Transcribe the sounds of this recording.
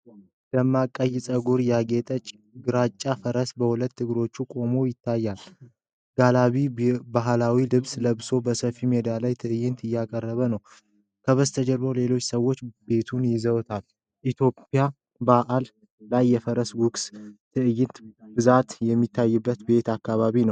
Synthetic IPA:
d̪əmːakʼːəjsʼəɡuɾjaɡet̪ʼət͡ʃʼ | ɡɨɾat͡ʃʼːafəɾəsbəhulət̪ːɨɡɨɾo̞t͡ʃːukʼo̞mo̞jɪt̪ʰːajːal | ɡ̥alaβibaɦlawilɨβsləβso̞bəsəfimed̪alajt̪ʰɨɨjːɪnt̪ɨjːakʼərːəβənəw | kʰəβəst̪ʰəd͡ʒɛlɾole̞lo̞t͡ʃːsəwːo̞t͡ʃːbe̞t̪ʰunjɪzəwt̪ʰal | ʔit̪ʰjo̞pːja | baʔalː | ajːɛfəɾəsɡukst̪ʰɨʔɨjɪnt̪bɨzat̪jɛmːit̪ʰːajːubːət̪be̞t̪akːaβaβinəw

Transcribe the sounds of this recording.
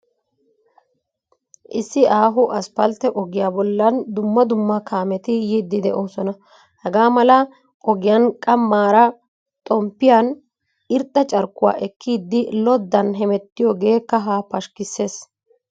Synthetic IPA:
ʔɪsːɪaːɦʊʔɐspɐlt̪ɛʔɔɡɪjaːbɔlːɐnd̪ʊmːɐd̪ʊmːɐkʰaːmɛt̪ɪjid̪ːɪd̪ɛʔoːsɔnɐ | hɛɡaːmɐlɐ | ʔɔɡɪjɐnkʼɐmːaːɾɐ | t̪ʼɔmpːɪjan | ɪɾt̪ʼːɐt͡ʃʼɐɾkːʊwa̰ːʔɛkʰːiːd̪ːɪlɔd̪ːɐnɦɛmɛt̪ːɪjɔɡe̞ːkːɐɦaːpɐʃkɪsːe̞ːs

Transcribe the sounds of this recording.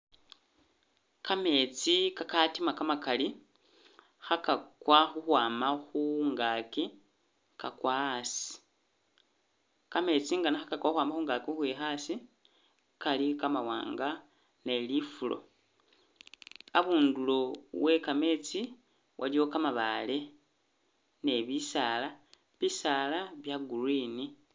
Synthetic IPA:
kame̞t͡sikakatimakamakali | xakakwaxuxwaːmaxuŋɡaki | kakwasi̥ | kame̞t͡siŋɡanaxakakwaxwaːmbaxuːŋɡakixwexasi | kalikamawa̰ːŋɡa | ne̞lifulo̞̰ | aβuːndulowe̞kame̞t͡si | wʔa̰liwo̞kamaβale̞ | ne̞βisala | βisalaβjaɡuɾwini

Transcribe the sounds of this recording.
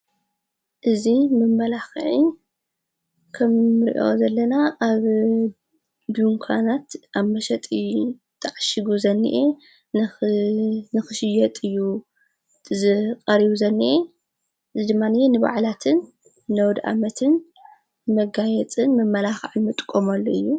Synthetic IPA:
ʔɨzimɨmːɐlaxʕi | kʰɐmːɨɾḭʔo̞̰zɐlːɐnaʔaβ | d̪uŋkʰa̰nat̪ʔaβmɐʃɐt̪ʼi | t̪ʰʼɨʕaʃɪɡuzɐnːḭʔe | n | nɨxɨʃɪjɐt̪ʼɨjːu | zɨqʼɐɾiβuzɐnːiʔe | ʔɨzid̪ɨmːanɨjenɨβa̰ʕlat̪ʰɨnː | ɐwd̪ʔa̰mɐt̪ʰɨn | mɐɡajɛt͡sʼɨnmɐmːɐlaxʕɨnmɨt̪ʼkʼːomalːoɨjːu

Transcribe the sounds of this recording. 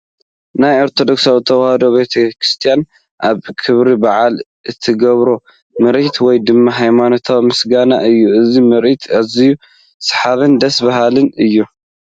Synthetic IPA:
najoɾt̪ʰo̞d̪o̞ksawit̪ʰɐwahɐd̪obe̞t̪ʰɐkɾist̪ʰijan | ʔaβkʰɨβɾibaʕal | ʔɨt̪ʰːɨɡɐβɾo | mɨɾʔit̪ʰwɔjd̪ɨmːaɦajmanot̪ʰawmɨsɡana̰ʔɨjːuɨzimɨɾʔit̪ʰaziju | sɨ̥ħaβɨnd̪ɐsbaɦalɨnɨjːu

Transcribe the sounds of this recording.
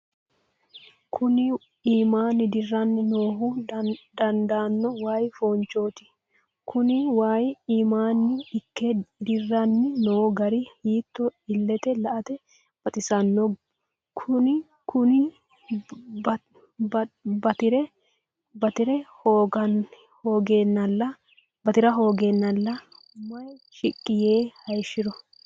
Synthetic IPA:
kʰʊnɪ | iːmaːnːɪd̪ɪrːɐnːɪnoːɦud̪ɐnd̪aːnːɔwaːjfoːnt͡ʃoːt̪ɪ̥ | kʰʊnɪwaːjiːmaːnːɪɪkːɛd̪ɪrːɐnːɪnoːɡɐɾihiːt̪ːɔɪlːɛt̪ɛlɐʔɐt̪ɛ | b̥ɐt̪ʼɪsɐnːɔ | kʰʊnɪ | kʊnɪ | bɐt̪ɪɾɛ | bɐt̪ɪɾɛhoːɡɐn | hoːɡenːɐlːɐ | bɐt̪ɪɾɐɦo̞ːɡenːɐlːɐ | mɐjʃɪkʼːɪjeːhɐjʃɪɾɔ

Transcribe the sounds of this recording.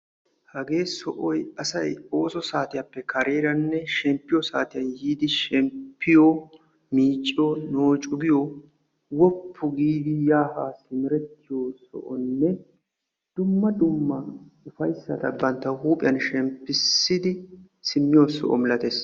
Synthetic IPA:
hɐɡe̞ːsɔʔɔjɐsɐjoːsɔsaːt̪ɪjapːɛkɐɾe̞ːɾɐnːɛʃɛmpːɪjɔsaːt̪ɪjɐnhiːd̪ɪʃɛmpʰːɪjo | miːt͡ʃʼːɪjonoːt͡ʃʼʊɡɪjo | wɔpʰːʊɡiːd̪ɪjaːhaːsɪmɪɾɛt̪ːɪjoːsɔ̰ʔɔnːɛ | d̪̥ʊmːɐd̪ʊmːɐʊfɐjsːɐt̪ɐbɐnt̪ːɐhuːpʼɪjɐnʃɛmpːɪsːɪd̪ɪ | sɪmːɪjoːsɔ̰ʔɔ̰mɪlɐt̪es

